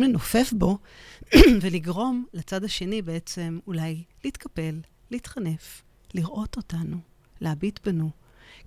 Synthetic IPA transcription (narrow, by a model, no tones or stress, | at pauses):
mlenofe̞fbo̞ | veliɡʁo̞mlat͡sad̪aʃe̞nibeet͡se̞mulajliiːtkʰape̞lː | iːtχane̞f | liʁʔo̞to̞tanu | leabitbenu